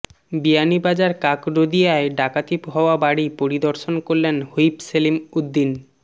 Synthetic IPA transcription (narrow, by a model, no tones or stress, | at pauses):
bijanibad͡ʑaɾkakɾod̪ijaeɖakat̪ipɦɔoabaɽipoɾid̪oɾʃonkoɾlenhojpselimud̪ːin